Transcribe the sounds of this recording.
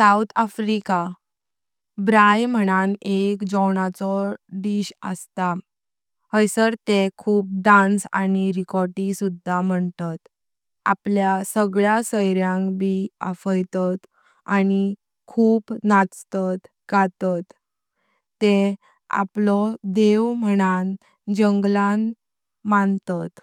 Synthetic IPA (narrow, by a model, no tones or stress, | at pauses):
saut̪ʰafɾika | bɾajm̤əñanekd͡zɔwɳat͡sɔɖiɕə̰st̪a | həjsəɾt̪ekʰuːp̚ɖãnsa̰niɾikɔɾʈisud̪ʱːam̤əɳt̪at̪ | a̰pljasəɡɭjasəjɾjãkbiə̰fəjt̪at̪ | ani | kʰuːpnat͡st̪at̪ | ɡat̪at̪ː | e | a̰plɔd̪eʋm̤əɽ̃an | d͡ʑəŋɡlan | mant̪at̪